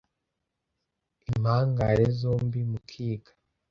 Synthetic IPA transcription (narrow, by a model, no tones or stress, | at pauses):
im̥haːŋɡaɾezoːmbimukʰiːɡḁ